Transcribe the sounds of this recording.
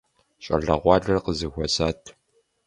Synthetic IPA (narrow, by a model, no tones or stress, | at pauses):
ɕʼɐ̰ɮɐ̰ʁʷɑːɮɐrqəzɨxʷɔsaːtʰ